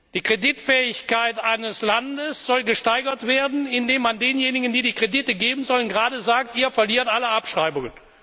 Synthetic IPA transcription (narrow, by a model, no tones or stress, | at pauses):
d̥iːkʁ̥edɪtfɛːɪçkaɪtʔaɪnəslandəsz̥ɔlɡəʃtaɪɡɐtv̥eːɐdn̩ɪndeːmːandeːnjeːnɪɡən̩diːdiːkʁ̥edɪtəɡeːbmn̩zɔlənɡʁaːdəzaːk̚tiːɐfɛɐliːɐtʔaləapʃʁ̥aɪbʊŋən